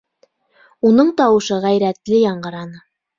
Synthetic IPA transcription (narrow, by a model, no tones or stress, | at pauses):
unɤɴt̪ɑwɤ̆ʃɤʁæjɾæt̪lɘjɑɴɢɤ̆ɾɑnɤ